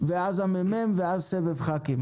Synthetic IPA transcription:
vɪazamɛmɛmvɪazsɛvɛvχakɪm

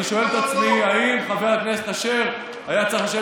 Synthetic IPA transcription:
iʃo̞elet̪at͡smiaimχaveʁakneset̪aʃe̞ʁ | ajat͡saχaʃe

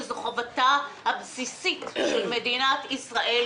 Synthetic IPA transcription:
zχovatahabsisitʃelmed̪inat̪isʁaʔe

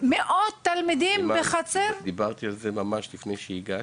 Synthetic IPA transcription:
meʔot̪ːalmid̪imbeχat͡semd̪ibaʁt̪ialzemamaʃlifnejʃeiɡa

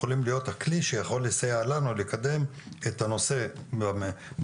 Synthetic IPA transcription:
olimlijo̞thakliʃejaχo̞lːisajaːlanulekade̞methano̞se̞

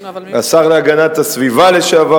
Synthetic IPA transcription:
asaʁleaɡanat̪asvivaleʃeava

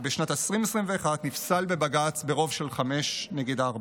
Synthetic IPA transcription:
beʃnatesʁimesʁimveːχadnifsalbe̞baɡat͡sbe̞ʁo̞vʃe̞lχame̞ʃneɡidaːʁb

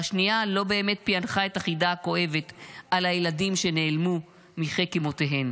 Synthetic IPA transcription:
aʃnialo̞be̞ːme̞t̪̚pianχae̞taχidako̞ʔe̞ve̞t̪alajeladimʃe̞neːlmu | miχekimo̞teɦe̞m

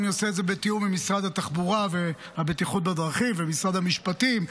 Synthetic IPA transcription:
njoseːdzebet̪iumimisʁad̪hat̪aχbuʁave | habet̪iχut̪̚bed̪ʁaχimvemisʁad̪amiʃpatim

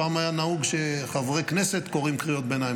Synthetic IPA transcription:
aːmajanahuɡʃeχavʁeknese̞t̪ko̞ʁimkʁijo̞t̪̚benaj

